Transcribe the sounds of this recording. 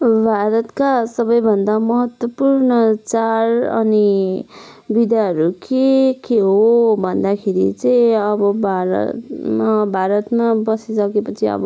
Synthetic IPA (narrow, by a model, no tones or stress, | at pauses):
bʱaɾʌt̪kasʌbʌjbʱʌnd̪amʌɦʌt̪wʌpurnʌt͡sarʌ̰ni | bid̪aɦʌɾukekeɦobʱʌnd̪akʰeɾḭt͡sʌĩʌbʌbʱaɾʌ̰tmabʱaɾʌt̪mabʌsisʌkepʌt͡sʰiʌ̰bʌ